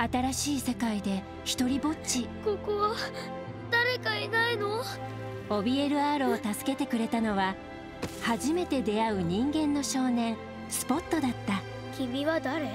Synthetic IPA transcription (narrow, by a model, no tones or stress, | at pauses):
at̪aɾaɕiːse̞kaid̪e̞ | çi̥t̪o̞ɾʲibo̞tt͡ɕːɕikokoβa | d̪̥aɾe̞kaenaino | o̞bʲie̞ɾɯ̟aːɾo̞ːt̪asɨ̥ke̞t̪e̞kɯ̟ɾe̞t̪ano̞βa | haʑime̞t̪e̞d̪e̞aɯ̟ɲ̟ĩŋɡẽ̞nːo̞ɕo̞ːnẽ̞ɰ̃ | sɨ̥po̞t̪ːo̞d̪at̪ːa | kʲibʲiβad̪aɾe